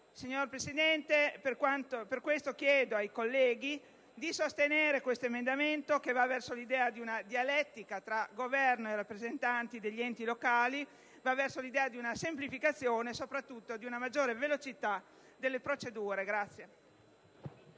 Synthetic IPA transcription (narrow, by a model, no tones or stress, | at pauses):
siɲːorpɾesid̪ɛnt̪eperkwant̪operkwest̪okjɛːd̪oajkolːɛːɡi | d̪isost̪eneːɾekwest̪oemend̪ament̪okevavːɛrsolid̪ɛːad̪iunad̪ialɛt̪ːikat̪ɾaɡovɛrnoerapːɾezent̪ant̪id̪eʎːiɛnt̪ilokaːli | vavːɛrsolid̪ɛːad̪iunasemplifikat̪sːjoːnesopɾat̪ːut̪ːod̪iunamad͡ʒːoːɾevelot͡ʃit̪a | d̪elːepɾot͡ʃed̪uːɾeɡɾat̪sːje